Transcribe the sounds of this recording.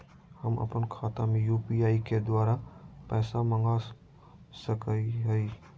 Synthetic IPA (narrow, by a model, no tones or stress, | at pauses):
həmə̰pənkʰaːt̪amẽjuːpiaːiked̪waːɾapɛːsamə̃ŋɡa | səkəiɦəi